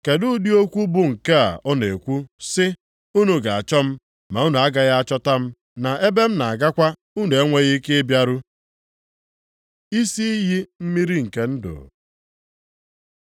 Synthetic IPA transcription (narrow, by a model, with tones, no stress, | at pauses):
ke˨dʊ˦di˦o˦kʷu˦bʊ˦ŋ̩˨ke˦a̰˨ʔɔ˦ne˨kʷu˦sɪ˦ | u˦nu˦ɡa˨a˨t͡ʃɔ˦m̩˦ | ma˨u˦nu˨a˦ɡa˦ɣa˦a˦t͡ʃɔ˦ta˦m̩˦ | na˨e˦be˦m̩˦na˨a˨ɡa˦kʷa˦ | u˦n˨e˦ŋʷe˦ɣi˦ke˦bja˦ɾu˦ | i˦si˦ɦi˦m̩˦mi˦ɾi˦ŋ̩˨ke˦n̩˦dʊ̰˨